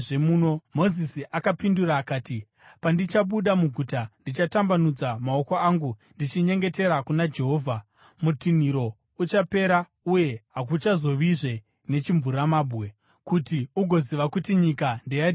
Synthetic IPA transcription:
ʐemuːno̞mo̞zisiʔakapinduraːkaːti | pandit͡ʃaɓuɗamuɡʱutandit͡ʃatambanud͡zamao̞ko̞aːŋɡundit͡ʃiɲe̞ŋɡe̞te̞ɾakunad͡ʒe̞ɦo̞ːvʱa | mutin̤iɾo̞ | ut͡ʃape̞ɾa | uje̞ɦak̬ut͡ʃazo̞ʋiʐe̞ | ne̞t͡ʃiɱvuɾamaːbɣe̞ | kutiuɡʱo̞ziʋakutiɲikandeja

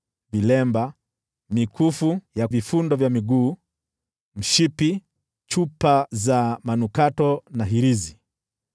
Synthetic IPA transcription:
vilɛmba | mikʰufujavifundɔvjamiɡuː | m̩ʃipi | t͡ʃupazamanukatɔnaɦiɾizi

